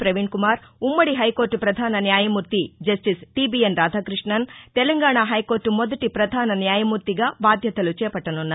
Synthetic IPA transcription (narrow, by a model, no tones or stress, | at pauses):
pɾɐʋiɳkumaːɾumːɐɽiɦɐjkoːɾʈupɾɐd̪ʱaːnɐnjaːjɐmuːɾt̪id͡ʒɐsʈisʈiːbiːenɾaːd̪ʱaːkɾiʂɳɐnt̪ɛlɐŋɡaːɳaːɦɐjko̞ːɾʈumɔd̪ɐʈipɾɐd̪ʱaːnɐnjaːjɐmuːɾt̪iɡaːbaːd̪ʱjɐt̪ɐlut͡ʃɛːpɐʈːɐnunːɐ